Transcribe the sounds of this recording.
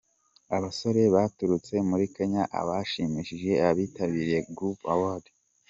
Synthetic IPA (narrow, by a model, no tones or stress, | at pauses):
aβaso̞ɾe̞βatuɾut͡se̞muɾikeɲaʔa̰βaʃiːmiʃiʒe̞aβiːtaβiɾjeɡɾupawad